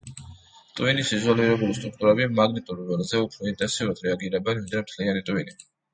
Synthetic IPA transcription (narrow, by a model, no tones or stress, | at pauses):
t̪ʼwinisizualiɾɛbulist̪ʼɾuk̚ʰt̪ʼuɾɛbimaɡnit̪ʼuɾvɛlzɛupʰɾɔint̪ʼɛnsiuɾad̪ɾɛaɡiɾɛbɛnvind̪ɾɛmt̪ʰlianit̪ʼwini